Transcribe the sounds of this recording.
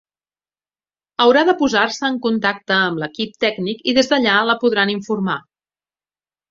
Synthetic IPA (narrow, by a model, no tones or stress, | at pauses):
əwɾaðəpuzarsəːŋkunt̪ak̚t̪əːmləkip̚t̪ɛɡnikiðezðəʎaləpuðɾaniɱfurma